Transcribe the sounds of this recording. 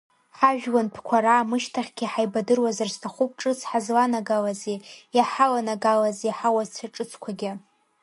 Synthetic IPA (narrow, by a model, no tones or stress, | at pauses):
ħaʒᶣwanpʰkʷʰaɾaːmɨʃtʰaχʲɡʲiħajbadɨrwazarstʰaχʷup̚ʼʈ͡ʂʼɨt͡sʰħazlanaɡalazejaħalanaɡalazeħawazt͡sʰaʈ͡ʂʼɨt͡sʰkʷʰaɡʲɪ